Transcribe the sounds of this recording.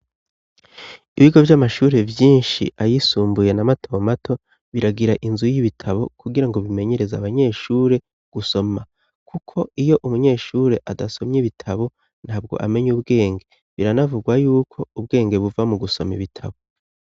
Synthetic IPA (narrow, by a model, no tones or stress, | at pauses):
iβiɡo̞vjamaʃuːɾe̞vjiːnʃḭʔajisuːmbuje̞namatowamatʰo̞ | βiɾaɡiɾaʔinzujiβitʰaβo̞kuɡiɾaŋɡo̞βime̞ɲe̞ɾe̞zaβaɲe̞ːʃuːɾe̞ | ɡ̥uso̞ma | kukʰo̞ijo̞ʔumuɲe̞ːʃuːɾe̞ʔadaso̞mɲiβitʰaβo̞ | n̥haːb̚ɡo̞̰ʔame̞ɲubɡe̞ːŋɡe̞ | βiɾanavuɡwajuːkʰo̞ub̚ɡe̞ːŋɡe̞βuvamuɡuso̞mḭβitʰa̰βo̞